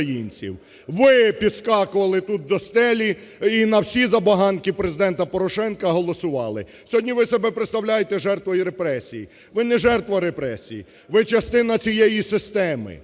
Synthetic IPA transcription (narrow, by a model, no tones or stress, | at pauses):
jinʲt͡sʲḭw | ʋɪpʲid̪skɑkʊʋɐlˠɪt̪ut̪̚d̪ɔst̪ɛlʲiː | nɐwsʲizɐbɐɦɑnkʲipɾezɪd̪ɛnt̪ɐpɔɾɔʃɛnkɐɦɔlˠɔsʊʋɑlˠɪ̰ | sʲɔɦɔdʲnʲiʋɪsɔbɛpɾet̪st̪ɐwlʲajet̪ɛʒɛrt̪ʋɔjiɾepɾɛsʲiji | ʋɪnɛʒɛrt̪ʋɐɾepɾɛsʲiji | ʋɪt͡ʃɐst̪ɪnɐt͡sʲijɛjisɪst̪ɛmɪ̰